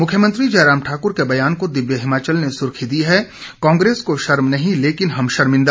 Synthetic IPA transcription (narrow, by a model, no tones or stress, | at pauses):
mʊkʰjəmə̃nt̪ɾid͡ʒɐːɾaːmʈʰaːkʊɾkebɐjaːnkod̪ɪʋjəɦɪmaːt͡ʃəlnesʊɾkʰid̪iɦɛkãːŋɡɾeːskoʃɐɾmnɐɦĩleːkɪnɦɐmʃɐɾmɪ̃nd̪a